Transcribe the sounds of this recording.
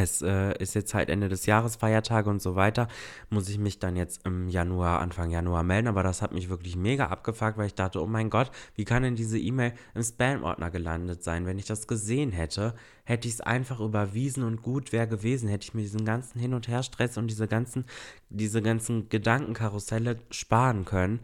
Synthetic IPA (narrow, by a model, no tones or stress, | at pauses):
ʔɛsʔɛːʔɪ̰stjɛt͡stza̰ɪtʔɛ̰ndədɛsjaːʁ̞əsfaɪɐtʰaːɡəʊntz̥oːvaɪtɐ | mʊsɪçmɪçd̥anjɛt͡stɪmjanuaːʔa̰nfaŋjanuaːmɛldn̩aːbɐɾashatmɪçv̥ɪɐklɪçmeːɡa̰ʔa̰p̚ɡ̥əfak̚tvaɪlɪçd̥aχtəo̰ːmaɪnɡɔtv̥iːkʰandɛndiːzəʔiːmeːɪlʔɪmspɛːmʔɔ̰ɐtnʔɐ̰ɡəla̰ndətz̥aɪnvɛnɪçd̥asɡ̥əzeːənɦɛtʰə | hɛtəɪçsʔa̰ɪnfaχʔyːbɐviːzn̩ʊntɡ̥uːtv̥ɛːʁɡəveːzn̩hɛtəɪçmiːɐdiːzn̩ɡant͡sn̩hɪnʊntheːɐʃtʁ̥ɛsʊntd̥iːzəɡant͡sn̩d̥iːzəɡant͡sn̩ɡ̥ədaŋkŋ̩kʰaʁʊsɛləʃpaːʁənkʰœnən